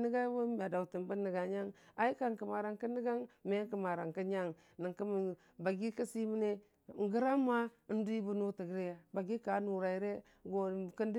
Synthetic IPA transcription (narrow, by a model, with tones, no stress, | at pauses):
ni˦ɡa˦wo˦m˨a˨da˨u˨ti˨mbə˦nːə˨ɡa˨ɲa˦ŋa˨i˦ka˦˨ŋkə˨ma˨ɾa˨ŋkə˦ni˦ɡa˦ŋme˦kə˨ma˨ɾa˨ŋkə˦ɲa˦˨ŋ | ni˨ŋkə˦m˨ | ba˨ɡi˦ka˦si˦mi˦ne˦˨ | ŋ˨ɡə˦ɾa˦ma˦ | n˦du˦i˦bu˦nu˦tə˨ɡɾe˦ja˨ba˨ɡi˦ka˨˦nu˨ɾa˨i˨ɾe˦ | ɡo˨kə˦n˦di˦